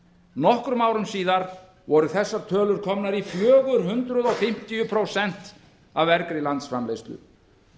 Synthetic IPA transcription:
nɔhkɾʏmaːwɾʏmsiːðaɾ | vɔɾʏθɛsːat̪ʰœːlʏɾ̥kʰɔmnaɾifjœːɣʏɾ̥ɦʏnt̪ɾʏðɔfɪm̥t̪ijʏpʰɾowsɛn̥t̪ | avɛɾkɾɪlant̪sfɾamlejst̪lʏ̰

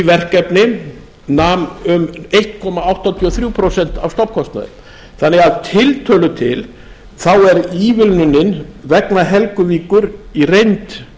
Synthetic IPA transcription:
vɛr̥kɛpnɪ | namʏmejht̪̚kʰɔmaawht̪at̪ʰiɔθɾjuwpʰɾosɛn̥t̪avfst̪ɔwpkʰɔst̪na̰ðɪ̰ | θanːɛɣaðt̪ʰɪlt̪ʰœːlʏt̪ʰɪl | θawɛɾiːvɪlnʏnːɪnvɛknaɦɛlkʏviːkʏɾirejnt̪

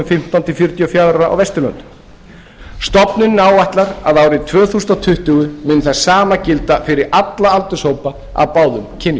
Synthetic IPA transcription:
ʏmfɪm̥t̪awnt̪ʰɪfjʏɾt̪jɔfjawðɾɾaa̰wvɛst̪ʏɾlœ̰nt̪ʏ̥m | st̪ɔpnʏnːaːwaht̪laɾaðaːwɾɪt̪ʰvœːθust̪at̪ʰʏht̪ʏɣʏmʏnθassaːmacɪlt̪afɪɾɪɾat̪laalt̪ʏ̥shoːwpa | a̰wpaːwðʏmcʰɪn

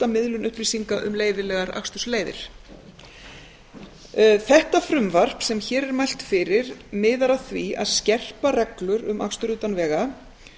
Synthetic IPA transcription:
t̪amɪðlʏnʏhpɾisiŋkaʔʏ̰mleːjðɪlɛɣaɾa̰xst̪ʏsleːjðɪ̰ɾ̥ | θɛht̪afɾʏmvar̥psɛmçɛːɾɛɾmajl̥t̪fɪɾɪɾmɪːðaɾaθvia̰ðscɛr̥parɛklʏɾʏmʔa̰xst̪ʏɾʏːt̪anvɛːɣa

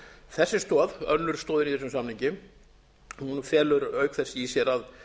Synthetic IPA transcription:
θɛsːɪst̪ɔːðœ̰nːʏɾ̥st̪ɔːðɪniθɛsʏmsamniɲcɪ | hunfjɛːlʏɾœːɥkθɛsːɪisjɛɾað

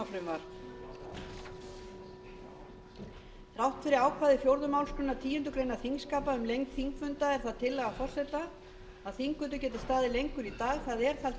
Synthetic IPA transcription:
afɾʏmvaɾ̥ | rawht̪fɪɾɪɾaːwkʰvaːðɪfjowɾðʏmaːwlskʏnːat̪ʰiːjʏnt̪ʏkɾeːjnaθiŋskaːpaʏmlejŋkθiŋkfʏnt̪aɛɾ̥θaðt̪ʰɪlːaɣafɔr̥sɛt̪a | aðθiŋkvʏt̪̬ʏcɛːt̪ɪ̥st̪aːðɪlejŋkʏɾit̪aːɣθaðɛɾ̥θalt̪

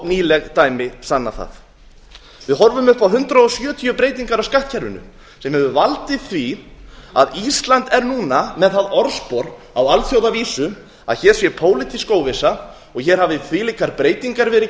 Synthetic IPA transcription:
niːlɛɣt̪aːjmɪsanːa̰θa̰θ | vɪðɦɔɾvʏmʏhpawɦʏnt̪ɾaɔsjœːt̪ʰijʏpɾeːjt̪iŋkaɾawskaht̪cʰɛɾvʏnʏ̰ | sɛmhɛvʏvalt̪ɪθvi | a̰ðist̪lant̪ɛɾnuːnamɛðθaðɔɾspɔɾ | awalθjowðaviːsʏ | a̰ðçɛːɾ̥sjɛpʰoːwlɪt̪ʰiskoːwvɪsa | ɔɣçɛɾ̥haːvɪθviliːkaɾpɾeːjt̪iŋkaɾvɛːɾɪ

